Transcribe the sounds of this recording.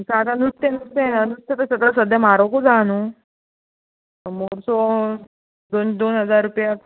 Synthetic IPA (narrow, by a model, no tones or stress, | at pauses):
sat̪ənust̪enust̪enaənust̪jat̪əɾsəd̪asəd̪ʱjamaɾokud͡zanu | moɾsɔ | d̪ond̪onɦəd͡zaɾːupja